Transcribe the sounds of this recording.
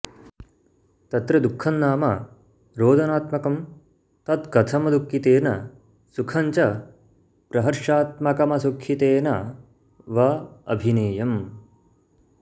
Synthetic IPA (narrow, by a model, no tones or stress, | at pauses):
t̪ɐt̪ɾɐd̪ukʰːɐnːaːmɐ̰ | ɾoːd̪ɐnaːt̪mɐkɐm | t̪ɐd̪kɐt̪ʰɐmɐd̪ukːit̪eːnɐ | sukʰɐɲt͡ʃɐ | pɾɐɦɐɾʃaːt̪mɐkɐmɐsukʰːit̪eːnɐ | ʋɐɐ̰bʱineːjɐm